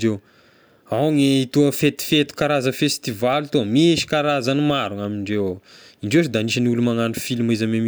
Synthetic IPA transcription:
ew | awŋeit̪uəfet̪u̥fet̪u̥kaɾazəfest̪ivalit̪omiʃi̥kaɾazanimaɾuŋamiɳɖ͡ʐew | iɳɖ͡ʐewʈ͡ʂd̪aniʃəniulumaŋanufilimizamemi

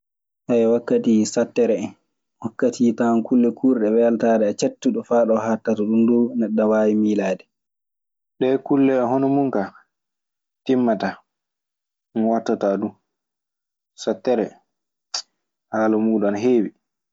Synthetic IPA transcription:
ʔajwakːatisatːɛɾɛ | wakːatʰitankulːɛkʰuːɾɗɛwɛltadɛat͡ʃetːuɗɔfaːɗɔhatːataɗundunɛɗːawaːwimilaːdɛ | ɗɛkulːɛɔɦɔnɔmuŋka | timːata | mnwatːatadu | satːɛɾɛ | haːlumuːɗɔnɦeːwi

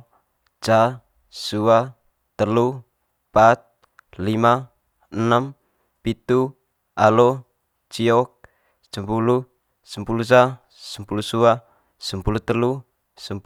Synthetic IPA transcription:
d͡ʒa | sua | t̪əlu | pat̪̚ | lima | ənam | pit̪u | alo | t͡ʃiɔk̚ | səmpulu | səmpulusa | səmpulusua | səmpulut̪əlu | səmp

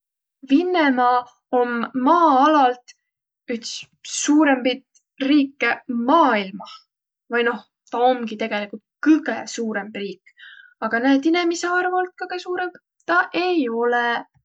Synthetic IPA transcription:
vinːemɑ | omːɑːɑlɑlt̪ | yt̪s | suːɾe̞mpit̪ | riːkːemɑːilmɑ | vɑjno̞h | t̪ɑomɡ̥it̪e̞ɡ̥e̞likult̪̚kɯɡ̥esuːɾe̞mbriːkː | ɑɡ̥ɑnæːd̪inemiseɑrvolt̪̚kɑɡ̥esuːɾe̞mb̥ | t̪ɑʔe̞jo̞lɛ

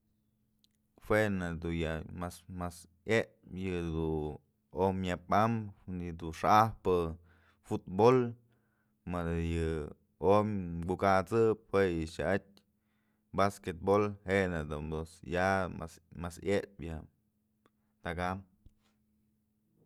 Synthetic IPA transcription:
hwenad̪ujamasmas | jeʔpjɨd̪u | omjapamhunjɨd̪uʂahpɨ | fut̪bol | mad̪ajɨ | omɡukat͡sɨp̚hwejɨʃa̰ʔat̚ʲ | basket̪̚bolhenad̪und̪osjaa̰smasjepja | t̪akam

